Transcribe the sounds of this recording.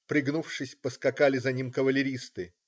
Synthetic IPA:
pɾʲɪɡnufʂɨsʲpəskɐkalʲɪzɐnʲimkəvəlʲɪɾʲist̪ɨ

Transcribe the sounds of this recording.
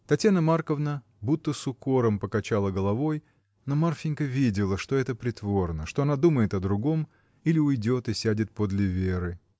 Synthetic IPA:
t̪ɐtʲjanəmarkəvnə | but̪ːəsʊkoɾəmpəkɐt͡ɕalˠəɡəlˠɐvo̞j | nomarfʲɪnʲkəvʲidʲɪlˠəʂt̪o̞ɛt̪əpɾʲɪt̪vo̞rnəʂt̪o̞ɐnad̪uməjɪt̪ɐd̪ɾʊɡo̞m | ilʲɪʊjdʲo̞t̪ɨsʲædʲɪt̪̚po̞d̪lʲɪvʲeɾɨ

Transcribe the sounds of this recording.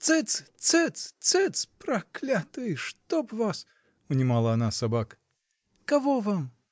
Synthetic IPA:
t̪sɛt͡s̪t͡s̪ɛt̪t͡s̪t͡s̪ɛt̪spɾɐklʲat̪ɨʂt̪opvas | ʊnʲɪmalˠɐːnasabakə̥ | kɐvovam

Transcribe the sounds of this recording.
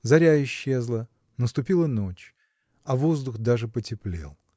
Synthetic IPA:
zɐɾʲaɪɕːe̞zlˠə | nəst̪ʊpʲilˠəno̞t͡ɕ | ɐvozd̪ʊxd̪aʐɨpətʲɪplʲḛlˠ

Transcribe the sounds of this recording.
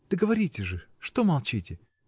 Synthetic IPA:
d̪̥əɡəvɐɾʲitʲɪʐɨʂt̪omɐlˠt͡ɕitʲɪ

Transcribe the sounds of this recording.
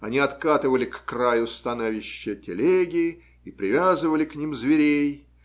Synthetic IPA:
ɐ̰nʲiɐt̪kat̪ɨvəlʲɪkːrajʊst̪ɐnovʲɪɕːətʲɪlʲeɡʲɪ | ipɾʲɪvʲazɨvəlʲɪknʲimzvʲɪɾʲej

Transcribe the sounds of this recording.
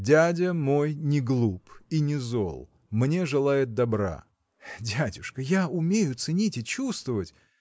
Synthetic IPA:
dʲædʲəmo̞jnʲɪɡlˠupinʲɪzo̰lˠ | mnʲe̞ʐɨlˠajɪt̪̚d̪ɐbɾa̰ | dʲædʲʊʂkəjaʊmʲejʊt̪sɨnʲitʲɪt͡ɕust̪vəvətʲ

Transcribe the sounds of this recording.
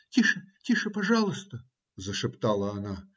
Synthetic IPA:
t̪ʲiʂɨtʲiʂɨpɐʐɑlˠəst̪ə | zəʂɨpt̪ɑlˠəɐna

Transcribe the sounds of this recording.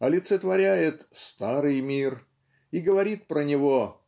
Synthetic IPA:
ɐlʲɪt̪sət̪vɐɾʲæjɪt̪st̪aɾɨjmʲir | iɡəvɐɾʲit̪̚pɾənʲɪvo̞

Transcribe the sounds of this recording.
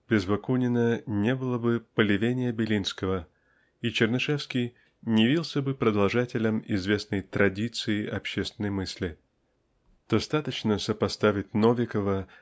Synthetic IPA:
b̥ʲɪzvɐkunʲɪnənʲe̞bɨlˠəbɨpəlʲɪvʲenʲɪjəbʲɪlʲinskəvə | it͡ɕɪrnɨʂɛfskʲij | nʲɪjɪvʲilˠsʲəbɨpɾəd̪ɐlˠʐatʲɪlʲəmɪ̰zvʲe̞snəjt̪ɾɐdʲit̪sɨɪʔɐpɕːest̪vʲɪnːəjmɨsʲlʲɪ | d̪̥ɐst̪at̪ət͡ɕnəsəpɐst̪avʲɪt̚ʲnovʲɪkəvə

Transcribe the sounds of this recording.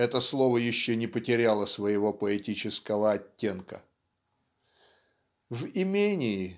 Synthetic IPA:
ɛt̪əslˠovəjɪɕːɵnʲɪpətʲɪɾʲalˠəsvəjɪvo̞pəɛtʲit͡ɕɪskəvəɐtʲːe̞nkə̰ | vɪmʲenʲɪɪ

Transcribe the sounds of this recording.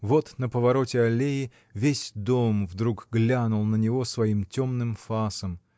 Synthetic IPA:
vo̞t̪nəpəvɐɾo̞tʲɪɐlʲejɪ | vʲesʲd̪omvd̪ɾukɡlʲanʊlˠnənʲɪvo̞svɐimtʲo̞mnɨmfasəm

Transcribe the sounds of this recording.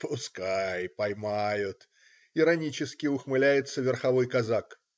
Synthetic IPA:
pʊskajpɐjmajʊt̪ | ɪɾɐnʲit͡ɕɪskʲɪʊxmɨlʲæjɪt̪səvʲɪrxɐvo̞jkɐzak

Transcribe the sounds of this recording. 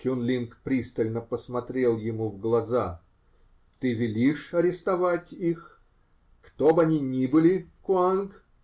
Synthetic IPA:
tʲunlʲinkpɾʲist̪əlʲnəpəsmɐt̪ɾʲe̞lˠjɪmuvɡlˠɐza | t̪ɨvʲɪlʲiʂɐɾʲɪst̪ɐvatʲix | kt̪obɐnʲinʲibɨlʲɪkʊank

